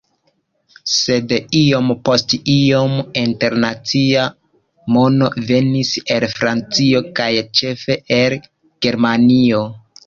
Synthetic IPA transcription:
se̞dio̞mpo̞stio̞minte̞ɾnat͡sia | mo̞no̞ve̞nise̞lfɾant͡sio̞kajt͡ʃe̞fe̞ʔel | ɡ̥e̞ɾmanio̞

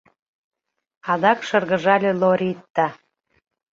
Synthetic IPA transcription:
ɑd̪ɑkʃɤrɣə̆ʒɑlʲeloɾʲit̪ːɑ

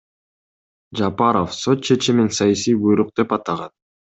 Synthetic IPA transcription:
d͡ʒapɑɾofso̞t̪̚t͡ʃʰe̞t͡ʃiminsɑjasijbujɾuq̚d̪̥e̞pɑt̪ɑʁɑn

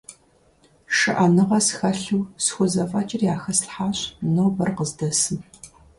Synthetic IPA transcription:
ʂɨ̰ʔɐnɨʁɐsxɐɬuwsxʷʊzɐfʼɐt͡ʃʼɪrjaːxɐsɬħaːɕʼnowbɐrqəzdɐsɨm

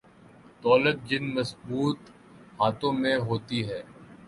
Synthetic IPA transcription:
d̪ɔːlət̪̚d͡ʒɪnməsbuːt̪ | haːt̪õːmẽɦoːt̪iɦɛː

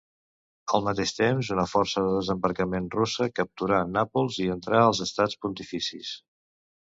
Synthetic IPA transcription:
əlˠmət̪eʃt̪emzunəfɔrsəðəðəzəmbəɾkəmenrusəkəp̚t̪uɾanapulˠziənt̪ɾaəlˠzəst̪at͡spunt̪ifisḭs

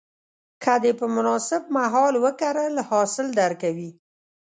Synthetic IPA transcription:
kʰad̪epəmʊnɑsɪb̚maɦɑlwəkaɾəlahɑsɪld̪aɾkawi

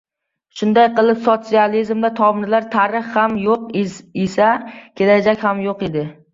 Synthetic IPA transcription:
ʃʊnd̪ajqɨlˠɪpsot̪sializmd̪at̪ʰɒmɾlaɾt̪ʰaɾɨχhamjoqesakʲʰe̞lad͡ʒakʲhamjoqed̪ɪ

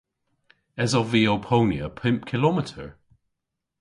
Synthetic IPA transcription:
ɛzəviɔpʰoʊniəpʰɪ̃mp̚kʰɪlɔmɪtʰə̰ɹ

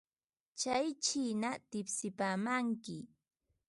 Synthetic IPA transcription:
t͡ʃajt͡ʃinat̪ɪpsɪpaːmaŋkɪ

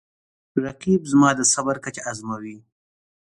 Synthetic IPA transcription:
ɾaqibzmɑd̪əsabaɾkat͡ʃaazmawi

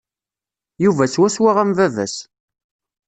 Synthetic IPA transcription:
juvæswæswaʁæmvævæ̰s

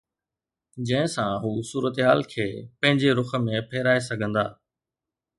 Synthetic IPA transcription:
d͡ʑɐ̃ɦɪ̃sãɦuːsuːɾət̪ɦaːlkʰeːpɐ̃ɦɪ̃ɲd͡ʑeɾʊxə̆mẽpʰeːɾaːes̬ɐɡʱə̃nd̪aː

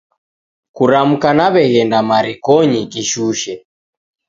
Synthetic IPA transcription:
kuɾam̩kanaβɛɣɛndamaɾikɔɲikiʃuʃɛ

